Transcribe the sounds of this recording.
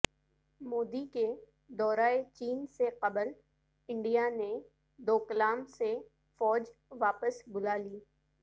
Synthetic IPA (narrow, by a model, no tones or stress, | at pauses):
moːd̪ike | d̪ɔːɾaːet͡ʃiːnseqɐbəl | ɪ̃ɳɖijane | d̪oːkəlaːmse | fɔːd͡ʒʋaːpəsbʊlaːliː